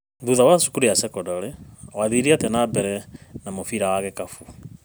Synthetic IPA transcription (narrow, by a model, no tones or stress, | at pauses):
ðuðawasu̥kuɾiasɛkɔdɔɾɛwaðiɾiatɛnabɛɾɛnamofiɾawaɣekafu